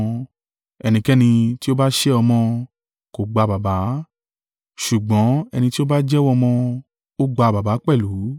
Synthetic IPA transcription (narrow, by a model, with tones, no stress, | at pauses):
ɛ˧nĩ˧kɛ˦nĩ˧ti˦o˦ba˦ʃe˦ɔ˧mɔ̃˧ | ko˨ɡ͡ba˧ba˨ba˨˦ | ʃu˨ɡ͡bɔ̃˨˦ɛ̰˧nĩ˧ti˦o˦ba˦d͡ʒɛ˦wɔ̃˦˧mɔ̃˧ | o˦ɡ͡ba˧ba˨ba˨˦k͡pɛ˦˨lu˨˦